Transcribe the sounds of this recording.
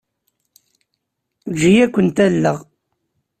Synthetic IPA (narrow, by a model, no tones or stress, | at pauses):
ɡijækʷːənt̪ælːəʁ